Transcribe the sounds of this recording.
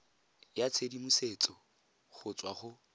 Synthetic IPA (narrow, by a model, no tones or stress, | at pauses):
jat͡sʰedimuset͡sʼɔ | χʊt͡sʼwaχʊ